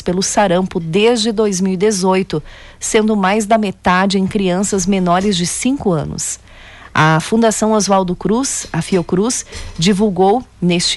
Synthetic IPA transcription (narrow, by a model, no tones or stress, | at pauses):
spelʊsaɾɐ̃mpʊd̪ezd͡ʒɪd̪ojzmiwid̪ezojt̪ʊ | sẽnd̪ʊmajzd̪ɐmet̪ad͡ʒɪẽj̃kɾiɐ̃sɐzmenɔɾɪzd͡ʒɪsĩkʊɐ̰̃nʊ̰s | ɐfũd̪asɐ̃w̃azuawd̪ʊkɾusɐfiokɾusd͡ʒivuwɡownest͡ʃɪ